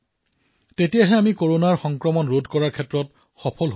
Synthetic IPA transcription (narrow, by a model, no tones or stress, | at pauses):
tetijaɦɛamikoɹonaɹxɔŋkɹɔmɔnɹodʱkɔɹaɹkʰɛtɹɔt | xɔpʰɔlɦ